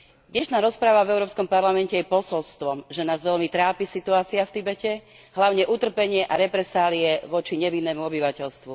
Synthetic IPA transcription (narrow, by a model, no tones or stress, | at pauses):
d̪ɲɛʃnaːɾɔspɾaːʋavɛʊɾɔːpskɔmpaɾlamɛncɛjɛpɔsɔlst̪ʋɔmʒɛnaːzʋɛʎmit̪ɾaːpisit̪uaːt͡siaft̪ibɛcɛ | ɦlaʊɲɛʔut̪r̩pɛɲɪɛʔaɾɛpɾɛsaːliɛʋɔt͡ʃiɲɛʋinːɛːmuɔbiʋacɛʎst̪ʋu